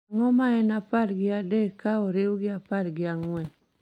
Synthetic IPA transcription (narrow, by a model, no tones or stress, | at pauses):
ŋɔmaɛnapadɡɪadekːaɔɾewuɡɪapaɾɡɪaŋwɛ